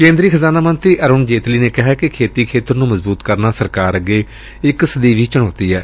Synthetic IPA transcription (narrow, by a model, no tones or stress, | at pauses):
kẽːnd̪ɾiːkʰəzaːnaːmənt̪ɾiːʔəɾʊːnd͡ʒeːt̪liːneːkɪɦaːkekʰeːt̪iːkʰeːt̪əɾnũːməzbuːt̪kəɾnaːsəɾkaːɾəɡeː | ɪksəd̪iːʋiːt͡ʃəɽ̃oːt̪iːɛː